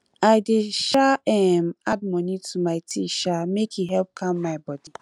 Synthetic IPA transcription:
aɪdɪʃaɛm̩ad̚mɔnitʰumaɪtʰiʃamekʰiɦɛlp̚kʰãmːaɪbɔdi

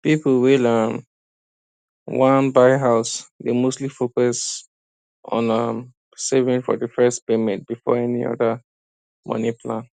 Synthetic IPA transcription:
pipwilʌm | wãnbaɪɦaʊsdemostlifokɔs | ʔɔ̰̃nʌm | sɛvĩŋfɔ̰dəfɛspemɛ̃nt̚b̥ifɔ̰ɛniɔ̰də | mɔ̰nipʰlãn

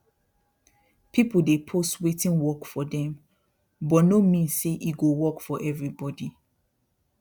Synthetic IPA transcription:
pʰipldepʰostwetĩnwɔkfɔdɛ̃m | bɔtnomĩnseʔiɡowɔkfɔʔɛvɹibɔdi

